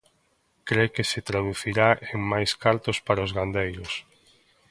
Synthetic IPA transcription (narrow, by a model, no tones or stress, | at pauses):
kɾekesɪt̪ɾaðuθiɾaʔeŋmajskaɾt̪ospaɾaozɣand̪ejɾos